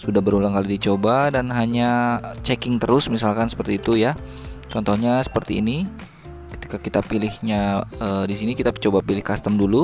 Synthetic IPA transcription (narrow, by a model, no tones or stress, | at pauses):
sudahbəɾulaŋkalidit͡ʃobadanɦaɲat͡ʃɛkɪŋt̪əɾʊsmisalkansə̥pərt̪iːt̪uja | t͡ʃɔnt̪ɔhɲasə̥pərt̪ḭːni | kə̥t̪i̥kakit̪apilɪhɲaədisinikit̪at͡ʃobapilɪhkast̪əmdulu